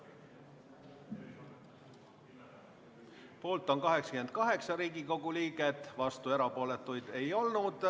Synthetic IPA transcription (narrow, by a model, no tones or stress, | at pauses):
po̞ːlt̪ːˑo̞nkɑɦe̞ksɑ̥kymen̚kɑɦe̞ksɑɾiːɡiko̞ɡ̥uliːɡe̞d̪̥vɑst̪ue̞ɾɑpo̞ːle̞t̪ːˑujd̪̥e̞jo̞lnud̪̥